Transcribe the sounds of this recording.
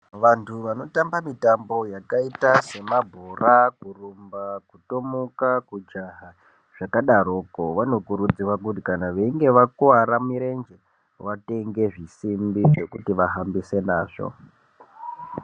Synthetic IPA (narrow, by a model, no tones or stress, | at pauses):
ʋantʰuʋano̞tambamitambo̞jakaitase̞mabʱorakurumbakutomukakud͡ʒaɦa | ʐ̥akaɗaɾoːkoʋano̞kuɾud͡ziwak̬utikanaʋeiŋɡe̞ʋakuaɾamiɾe̞nd͡ʒe | ʋate̞ŋɡe̞ʐisimbiʐe̞kutiʋaɦambise̞naːʐ̥o̰